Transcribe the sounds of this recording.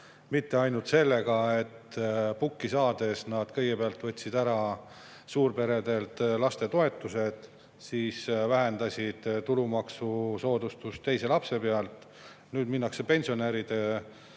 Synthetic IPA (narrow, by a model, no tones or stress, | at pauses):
mit̪ːe̞ɑjnult̪se̞lːe̞ɡɑe̞t̪ːpukːisɑːd̪̥e̞snɑd̪̥kɤjɡ̥epeɑlt̪vɤ̞t̪ʲːsid̪æɾɑ | suːrpe̞ɾe̞d̪e̞lt̪lɑst̪e̞t̪o̞e̞t̪ːˑuse̞d̪̥ | siːsvæɦe̞nd̪ɑsʲid̪̥t̪ulumɑksuso̞ːd̪ust̪ust̪ːe̞jse̞lɑpse̞peɑlt̪ˑ | nyːd̪̚minːɑkse̞pe̞nʲsio̞neɾid̪̥e